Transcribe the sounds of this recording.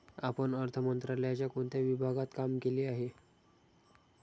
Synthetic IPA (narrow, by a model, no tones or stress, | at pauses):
apəɳəɾt̪ʰəmənt̪ɾaləjat͡ɕjakoɳt̪jaʋibʱaɡat̪kamkeliːaɦe